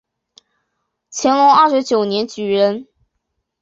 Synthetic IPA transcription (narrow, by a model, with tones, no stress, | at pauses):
t͡ɕʰjɛ˧˥nlʊ˧˥ŋɐ˥˩ʂɻ̩˧˥t͡ɕjo˨˩ʊnjɛ˧˥nt͡ɕy˨˩ɻə˧˥n